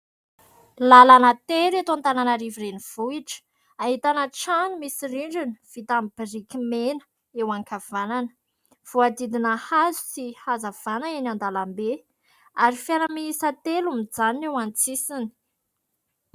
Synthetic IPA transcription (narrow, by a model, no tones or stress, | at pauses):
lalanət̪eɾat̪oant̪ananaɾivireniv̥uiʈ͡ʂə̥ | aɦit̪anəʈ͡ʂanimisiriɳɖ͡ʐini̥v̥it̪amb̥iɾikimenə̥ | ewaŋkʰav̥ananə̥ | v̥uad̪id̪inəhazu̥sihazav̥anəenand̪alambe | aɾifjanamiisat̪elumid͡zanewant͡sisini̥